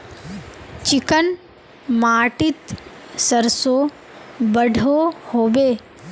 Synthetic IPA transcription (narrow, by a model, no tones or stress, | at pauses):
t͡ʃikən | maːʈit̪ | səɾso | bəɖʱohoːbeː